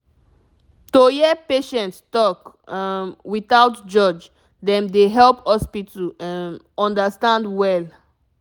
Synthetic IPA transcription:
tojɛpeʃɛ̃ntstɔk | wiθawtd͡ʒɔd͡ʒ | dɛ̃mdeɦɛlphɔspitʰəlɛ̃n | ɔ̃ndəstãndwɛl

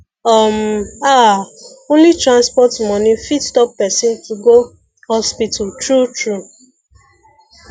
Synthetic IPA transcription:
ɔma | õnlitɹãnspɔtmɔnifitstɔp̚ːɛsĩntuɡo | hɔspitʰaltɹutɹu

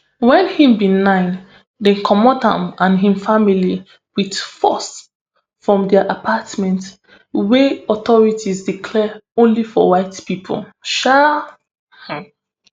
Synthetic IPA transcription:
wɛ̃nhĩmbĩnãɪ̃n | dɛ̃nkʰɔmɔdã̰mãnɦĩmfamili | widfɔs | fɹɔ̃mdɛʔapʰatmɛ̃nt | weɔtɔɹitʰizdikʰlɛõnlifɔ̰waɪtpipʰo̰lʃa | hãm

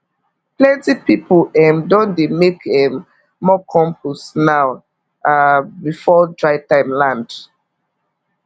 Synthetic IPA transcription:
plɛ̃ntipipɔɛ̃ndɔ̃ndemekɛ̃mː | ɔkʰɔ̃mpʰusnaw | abifɔdɹaɪtãɪmlãnd

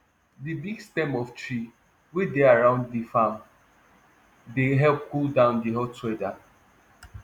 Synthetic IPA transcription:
dibiɡstɛ̃mɔftɹi | wedeaɹãʊ̃nddifãm | deɦɛlp̚koldãʊ̃ndiɦɔtwɛda

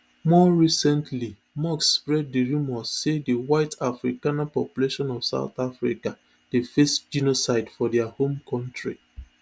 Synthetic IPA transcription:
mɔɹisɛ̃ntʰli | mɔksːpɹɛd̚diɹimɔsːediwaɪtafɾikanapɔpjuleʃɔ̃nɔv̥sa̰ʊθafɾika | d̥efesd͡ʒinosaɪdfɔdɛahõmkʰɔ̃ntɹḭ

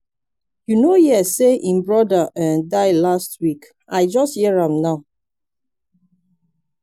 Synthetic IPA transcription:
junojɛsːeʔĩmbɹɔdaʔə̃ndaɪlastwik | ʔaɪd͡ʒɔsthiɹãmnaʊ

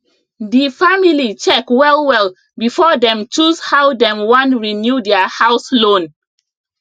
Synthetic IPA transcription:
difamilit͡ʃɛkwɛlwɛl | bifɔdɛ̃mt͡ʃushawdɛ̃mwãnɹinjudɛahaʊslõn

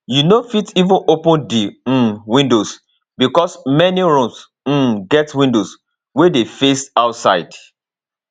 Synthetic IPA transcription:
junofitivɔ̃nʔopɔ̃ndiwĩndos | bikɔsmɛniɹũms̩ | ɡɛtwĩndos | wedefesaʊtsa̰ɪd

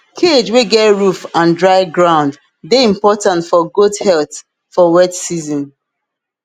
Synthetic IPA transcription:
kʰed͡ʒweɡɛtɹufãndɹaɪɡɹãʊ̃nd | deĩmpɔtãntfɔɡodhɛlθ | fɔwɛtsizɔ̃n

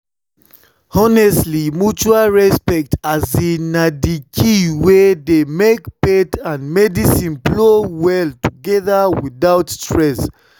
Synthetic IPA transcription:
ɔnɛstlimut͡ʃualɹɛspɛk̚tazinadikʰiwɛðemekpetʰãnmɛdisĩnblowɛltuɡɛðəwiðaʊtstʰɹɛs

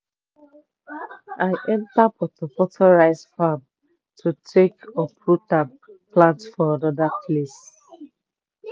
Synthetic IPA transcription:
aɪʔɛ̃ntapɔtɔpɔtʰɔɹaɪzfam | tʰutʰekɔpʰɹuta | plãntfɔanɔdapʰles

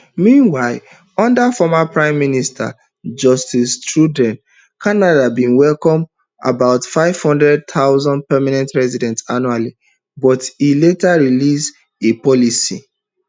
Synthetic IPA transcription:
mĩnwaɪl | ɔ̃ndafɔmapɹãɪ̃mːinistʰa̰ | d͡ʒɔstistɹudɛ̃n | kʰanadabĩnwɛlkɔ̃m | a̰baʊtfaɪv̥hɔ̃ndɹɛd̚t̪ʰaʊzɔ̃ndpɛmanɛ̃ntɹɛzidɛ̃ntsanuali | bɔtiletaɹilis | epɔlisḭ

